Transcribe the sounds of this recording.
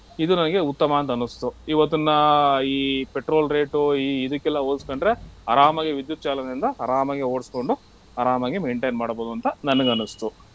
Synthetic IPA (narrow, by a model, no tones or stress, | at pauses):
id̪unɐnɐɡe̞ut̪ːɐmɐːnt̪ɐnːust̪uiʋɐt̪̬ːunːɐiːpeʈɾo̞ːlɾe̞ːʈuiːd̪ɐkːɛlːɐoːlskoɳɖɾe̞ɐɾaːmɐɡeʋid̪jut̪̚ːt͡ʃaːlɐneind̪ɐɐɾaːmɐɡeoːɽsko̞ɳɖu | ɐɾaːmɐɡeme̞ːɳʈejnmaːɽboːd̪uɐnt̪ɐnɐnːɐɡɐnːust̪u